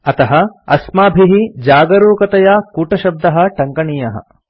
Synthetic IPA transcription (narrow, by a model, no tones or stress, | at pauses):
ɐt̪ɐɦɐɐ̰smaːbʱiɦid͡ʒaːɡɐɾoːkɐt̪ɐjaːkuːʈɐʃɐb̚d̪ɐɦɐ̆ʈɐŋkɐɳijɐɦɐ̰